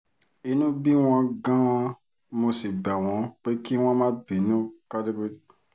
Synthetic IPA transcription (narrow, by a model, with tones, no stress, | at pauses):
i˧nũ˦bi˦w̃ɔ̃˧ɡã˦ɔ̃˧ | mo˧si˨bɛ˨w̃ɔ̃˨˦k͡pe˦ki˦w̃ɔ̃˦mãː˦bi˨nũ˦ka˦de˦ke˦˨˦